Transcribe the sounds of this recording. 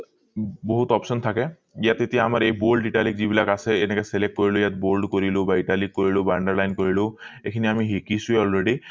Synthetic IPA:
boɦutɔpsɔntʰakɛ | ijatetijaːmaɹejbolɖiʈalikzibilakasɛɛnɛkɛsɛlek̚koɹilʊjat̚bolɖkoɹilʊ̃baiʈalikːoɹilʊbaɳɖɛɹlajnkoɹilʊ̃ekʰiniamiɦekisʊeɔlɹeɖi

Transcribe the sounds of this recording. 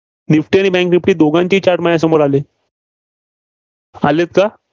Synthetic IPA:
nifʈiːaɽ̃nibɛ̃ŋknifʈiːd̪oɡãɲt͡ɕiːt͡ɕaɾʈmajas̬əmoɾale | alet̪̚ka

